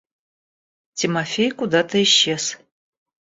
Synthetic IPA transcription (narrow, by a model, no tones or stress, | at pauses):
tʰimɐfʲejkʷud̪atʰɐiʃez̥